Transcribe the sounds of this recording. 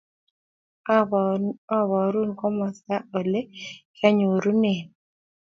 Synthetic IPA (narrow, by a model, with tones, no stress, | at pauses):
ɔ˦wɔ˨ɾu˦nkɔ˦mɔ˨sa˦o˨le˦kʰa˦ɲo˨ɾu˦nɪ˨n